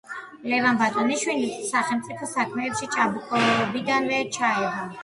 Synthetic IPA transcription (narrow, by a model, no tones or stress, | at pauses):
lɛvanbat̪ʼɔniʃwinissaχɛlˠmt̪sʼipʰɔsakʰmɛːpʃit͡ʃʼabukʼɔɛɔbid̪anvɛt͡ʃʰaɛʁa